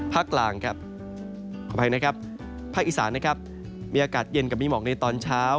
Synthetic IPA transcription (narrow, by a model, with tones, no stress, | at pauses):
pʰaː˥˩k̚laː˨˩˦ŋkʰa˨˩p̚ | kʰɔ˨˩pʰa˧na˦˥kʰa˦˥p̚ʰː | aː˥˩k̚ʔi˨˩saː˩˦nːa˦˥kʰa˦˥p̚ | miː˧aː˧kaː˨˩t̪̚je˧nka˨˩p̚miː˦˥˩mɔː˨˩k̚na˧jt̪ɔː˧nt͡ɕʰaː˦˥w